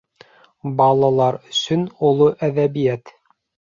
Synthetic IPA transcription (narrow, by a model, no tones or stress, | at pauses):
bɑlˠɑlˠɑɾɵ̆sɵnulˠoʔæðæβijæt̪